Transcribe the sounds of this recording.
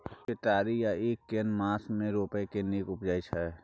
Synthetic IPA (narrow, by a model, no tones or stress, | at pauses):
pɪt̪aːɾijaeːkːenmãːsmẽɾoːpekeniːkʊpd͡ʒaːit͡ʃʰɛ